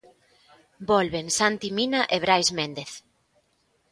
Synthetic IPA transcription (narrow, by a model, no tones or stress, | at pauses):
bɔlβensant̪iminaʔeβɾajzmẽnd̪eθ